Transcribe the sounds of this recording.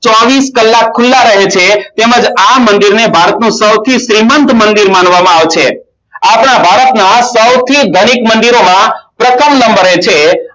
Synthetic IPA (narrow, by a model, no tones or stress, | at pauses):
t͡ʃɔʋiskəlːakʰːʊlːaɾəɦet͡ʃʰet̪eməd͡ʒamənd̪iɾnebʱaɾət̪nũsəwt̪ʰiʃɾimənt̪mənd̪iɾmanʋamãaʋt͡ʃʰe | apɳabʱaɾət̪nasəwt̪ʰiɡʱəɽ̃ikmənd̪iɾomãpɾəkəmnəmbəɾet͡ʃʰe